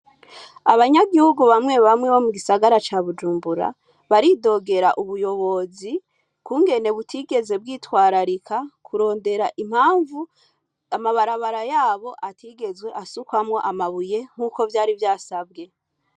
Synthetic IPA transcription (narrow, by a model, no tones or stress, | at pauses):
aβaɲaɡihuɡuβamŋe̞βamŋeβo̞muɡisaɡaɾat͡ʃaβud͡ʒuːmbuɾa̰ | βaɾido̞ːɡe̞ɾaʔuβujo̞βo̞zi | kuːŋɡe̞ne̞βutʰiɡe̞ze̞b̚ɡiːtwaːɾaɾikʰakʰuɾo̞ːnde̞ɾaʔim̥haːɱvu | amaβaɾaβaɾajaːβo̞ʔatʰiːɡe̞zwe̞ʔasukwamŋo̞ʔamaβuje̞ŋ̥huːko̞vjaːɾivjaːsabɡe̞